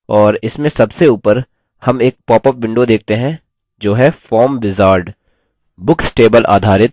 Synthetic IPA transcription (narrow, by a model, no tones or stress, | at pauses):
ɔːɾɪsmẽsɐbseuːpəɾ | hɐmeːk̚pɔːpəpʋɪ̃ɳɖod̪eːk̚ʰt̪eɦɛ̃ | d͡ʒoːɦɛfɔːɾmʋɪzaːɾɖ | bʊksʈeːbəlʔa̰ːd̪ʱaːɾɪt̪̚